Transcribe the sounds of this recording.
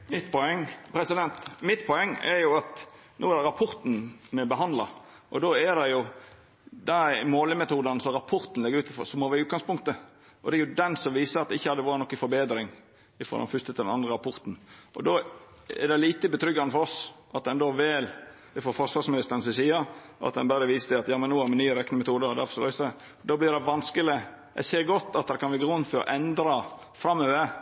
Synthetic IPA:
mɪt̪ːpʰɔɛŋːpʰɾɛsɪd̪ɛnt̪mɪt̪ːpʰɔɛŋːɛ̰ɾjʊɑt̪ | noːæd̪ɛɾɑpʰɔɾt̪n̩mɛbəɦɑnd̪lɑ | ʔɔd̪oːɛd̪ɛjʊ | d̪ɛmoːləmɛt̪uːd̪ɑnəsɔɾɑpʰɔɾt̪n̩lɛɡəɾʉːt̪ɪfɔ̰sɔmɔʋɪʉːt̪ɡɑŋspʊŋt̪ə | ʔɔd̪ɛɛɾjʊd̪ɛnsɔmʋiːsəɾɑt̪̚d̪ɛɪçːəhɑd̪əʋɑːɾənɔkːɪfɔɾbeːd̪ɾɪŋ | ɪfɔ̰ɾdɑ̰nfʏst̪ət̪ʰɪlɛnɑnd̪ɾəɾɑpʰɔɾt̪n̩ʔɔ̰d̪oː | ɛ̰ɾd̪ɛliːt̪əbət̪ʰɾʏɡːɑnəfɔɾɔsʔɑt̪̚d̪ɛnd̪oːʋɛl | ɪfɔfɔʂʋɑɾsmɪnɪst̪əɾən̩sɪsiːəɑ̰t̪̚d̪ɛ̰nbæɾd̪əʋiːsət̪ʰɪɑt̪jɑːmɛnːuːæɾmɛnːyːəɾɛkːnəmɛt̪ʰuːd̪əɾɔd̪æ̰ɾfɔsɔlɑʏsæ | d̪ɑːblɪɾd̪ɛʋɑnskəlɪ | jæ̰ɪseːɾɡɔt̪ːɑt̪̚d̪ɛnkʰɑnʋæɡəɾuːənfɔɾɔ̰ʔɛnd̪ɾɑ | fɾɑmːøːə

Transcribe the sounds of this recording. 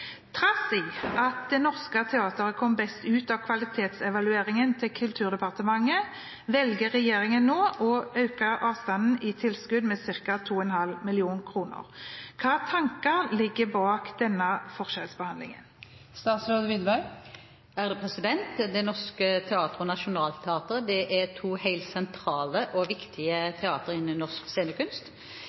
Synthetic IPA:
t̪ʰʁɑsɪʔɑt̪̚d̪ɛnɔʁskət̪ʰɛɑːt̪əɾəkʰɔmbɛst̪ʉːt̪ɑʋkʰʋɑlɪt̪ʰeːt̪sɛʋɑlʉeːʁɪŋənt̪ʰɪlkʰʉlt̪ʰʉːʁd̪ɛpɑʁt̪əmɑŋːə | ʋɛlɡəʁɛjeːʁɪŋənːoːʔɔɑʉkəʁɑːʋst̪ɑnn̩ɪt̪ʰɪlskʉd̪meːsɪʁkɑt̪ʰuːɛnhɑlmɪlɪuːnkʰɾuːnə̰ʁkʰɑːt̪ʰɑŋkəʁlɪɡːəbɑːkd̪̥ɛnːɑfɔʁʃɛlsbəhɑnlɪ̰ŋə̰n | st̪ɑːt̪soːd̪ʋɪd̪ʋɑʏ | æːʁd̪ɛpʰʁɛsɪd̪ɛnt̪d̪ɛnɔskət̪ʰɛɑːt̪əʁəɔnɑʃʊnɑːlt̪ʰɛɑːt̪əʁəd̪ɛʔæt̪ʰuːhæɪlt̪sɛnt̪ʰɾɑːləʔɔʋɪkt̪ʰɪət̪ʰɛɑːt̪əɾɪnənːɔʁskseːnəkʉnst̪

